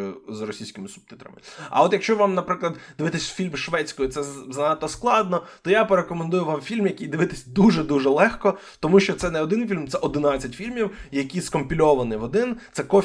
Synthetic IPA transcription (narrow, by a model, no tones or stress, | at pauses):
jʊzrɔsʲijsʲkʲɪmɪsʊb̚t̪ɪt̪ɾɐ̰mɪɐ̰ɔt̪jɐkʃt͡ʃɔʋɑmnɐpɾɪklˠɐd̪d̪̥ɪʋɪt̪ɪsʲfʲilʲmʃʋɛt͡sʲkɔjʊt̪sɛzɐnɑt̪ːɔsklˠɑd̪̚nɔt̪ɔjapeɾekɔmend̪ujʊʋɑmfʲilʲmjɐkijd̪ɪʋɪt̪ɪsʲd̪uʒɛd̪uʒɛlˠɛxkɔ | t̪ɔmuʃt͡ʃɔt̪sɛnɛɔd̪ɪnfʲilʲmt̪sɛʔɔd̪ɪnɑt͡sʲːɐtʲfʲilʲmʲiwjɐkʲijskɔmpʲilʲɔʋɐnɪʋɔd̪ɪnt̪sɛkɔ